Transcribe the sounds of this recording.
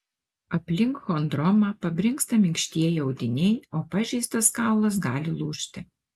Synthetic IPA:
ɐpʲlʲɪŋkxoːnd̪ɾɔmɑːpɐbʲɾʲɪŋkst̪ɐmʲɪŋʲkʃʲt̪ʲiɛjɪɐʊd̪ʲɪnʲɛɪoːpɑʒʲɛɪst̪ɐskɑˑʊlˠɐs̬ɡɑːlʲɪlˠuːʃʲt̪ʲɪ

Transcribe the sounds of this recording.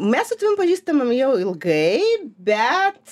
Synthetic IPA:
mʲɛssʊt̪ɐʋʲɪmpɐʒʲiːst̪ɐmɐmjɛʊɪlˠɡɐɪbʲɛt̪

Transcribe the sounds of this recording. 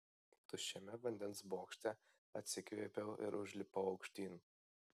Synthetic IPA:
t̪ʊʃʲɛmʲɛʋɐnʲd̪ʲɛnsboːkʃʲt̪ʲɛ | ɐt̪ʲsʲɪkʋʲiːpʲɛʊɪ̰ɾʔʊʒʲlʲɪpɐʊɒʊkʃʲt̪ʲiːn

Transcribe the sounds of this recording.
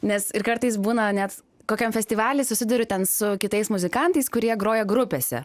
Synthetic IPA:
nʲɛsɪɾkɐɾt̪ɐɪsbuːnɐnʲɛt̪ | koːkʲɛmfʲɛsʲt̪ʲiːʋɑːlʲɪsʊsʲɪd̪ʊɾʲʊt̪ʲɛnsʊkʲɪt̪ɐɪsmʊzʲɪkɑnt̪ɐɪskʊɾʲiɛɡɾoːjɛɡɾʊpʲeːsʲɛ̰

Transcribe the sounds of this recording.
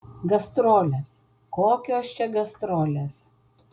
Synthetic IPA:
ɡɐst̪ɾoːlʲes | koːkʲoːst͡ʃʲɛɡɐst̪ɾoːlʲes

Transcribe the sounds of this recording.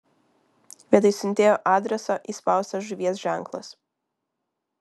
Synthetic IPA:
ʋʲiɛt̪ɐɪsʲʊnʲt̪ʲeːjoːʔɑːd̪ʲɾʲɛsoːʔispɑˑʊst̪ɐʒʊʋʲiɛs̬ʒʲæˑŋˑklˠɐ̰s

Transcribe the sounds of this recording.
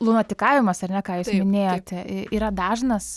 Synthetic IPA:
lˠunoːt̪ʲɪkɑːʋʲɪmɐsɐrnʲɛkɑːjuːssmʲɪnʲeːjoːt̪ʲɪiːɾɐd̪ɑːʒnɐs

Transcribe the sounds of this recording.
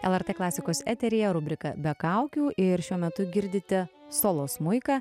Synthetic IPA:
ɛ̰lˠɛɾt̪eːklˠɑːsʲɪkoːsɛ̰ːt̪ʲɛɾʲɪjɛɾʊbʲɾʲɪkɐ̰bʲɛkɐˑʊkʲuːʔɪɾʃʲuɔmʲɛt̪ʊɡʲɪɾʲd̪ʲɪt̪ʲɛsoːlˠoːsmʊɪkɐː

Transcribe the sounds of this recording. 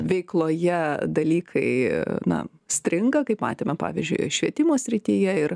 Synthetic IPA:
ʋʲɛɪklˠoːjɛd̪ɐlʲiːkʰɐɪnɐ̰ | sʲt̪ʲɾʲɪŋɡɐkɐɪpmɑ̰ːt̪ʲeːmʲɛpɑ̰ːʋʲiɪzʲd͡ʒʲʊ̰ɪʃʲʋʲiɛt̪ʲɪmoːsʲɾʲɪt̪ʲijɛɪr

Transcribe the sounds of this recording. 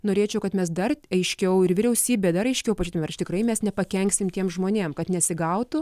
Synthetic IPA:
noːɾʲeːt͡ʃʲɛʊkɐt̪mʲɛs̬d̪ɐrɐɪʃʲkʲɛʊɪɾʋʲɪɾʲɛʊsʲiːbʲeːd̪ɐɾɐɪʃʲkʲɛʊpɐt͡ʃut̪ʲmʲɛrt͡ʃt̪ɪkrɐɪmʲɛsnʲɛpɐkʲɛŋʲksʲɪmt̪ʲiɛmʒmoːnʲeːmkɐt̪nʲɛsʲɪɡɐʊt̪ʊ

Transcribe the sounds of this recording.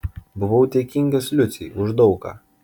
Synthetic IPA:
bʊʋoʊt̪ʲeɛkʲɪŋʲɡʲoslʲʊt̪sʲɛ̰ʊʒd̪ɒʊka̰ː

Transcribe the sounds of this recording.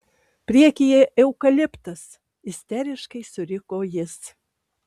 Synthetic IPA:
pʲɾʲiɛkʲijɛʔɛwkɐlʲɪpt̪ɐs | ɪsʲt̪ʲɛɾʲɪʃkɐɪsʊɾʲɪkoːjɪs

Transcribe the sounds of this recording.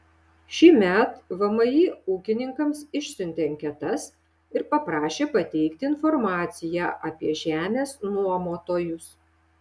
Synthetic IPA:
ʃʲiːmʲɛt̪ʋɐmɐjiːuːkʲɪnʲɪŋkɐmsɪʃʲsʲʊnʲt̪ʲeŋʲkʲɛt̪ɐs | ɪɾpɐpɾɑːʃʲeːpɐt̪ʲɛɪkt̪ʲɪɪnfɔɾmɑːt̪sʲɪjæːʔɐpʲiɛʒʲæːmʲeːsnuɔmoːt̪oːjʊs

